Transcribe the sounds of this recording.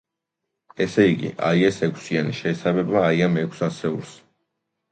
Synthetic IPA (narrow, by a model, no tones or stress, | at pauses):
ɛsɛiɡḭʔa̰iɛsɛkʷʰsianiʃɛːsabɛbaːiamɛkʰsasɛuɾs